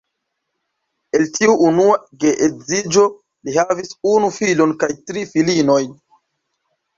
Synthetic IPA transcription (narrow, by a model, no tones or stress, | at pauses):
e̞ltiuːnuaɡeʔezid͡ʒo̞ | lihavisunufilonkajtɾifilino̞j